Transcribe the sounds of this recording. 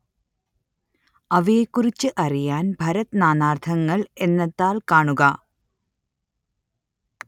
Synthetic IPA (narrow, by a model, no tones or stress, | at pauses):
ɐʋijekːurit͡ɕːɨʔɐrijaːnbʱɐɾɐt̪ɨnaːnaːrt̪ʰɐŋːɐɭe̞nːɐt̪ːaːlkaːɳuɣɐ